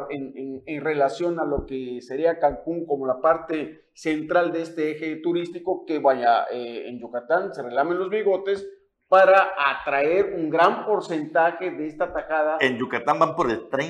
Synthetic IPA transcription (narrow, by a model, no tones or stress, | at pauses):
enenenre̞lasjo̞nalokese̞ɾiakaŋkuŋko̞mo̞lapaɾt̪e̞ | se̞nt̪ɾald̪eest̪eexet̪uɾist̪iko̞keβaja̰eḛnd͡ʒukat̪anse̞relamenlo̞zβiɣo̞t̪e̞s | paɾaat̪ɾae̞ɾuŋɡɾampo̞ɾse̞nt̪axe̞ðe̞est̪at̪axaðaend͡ʒukat̪ambampoɾelt̪ɾe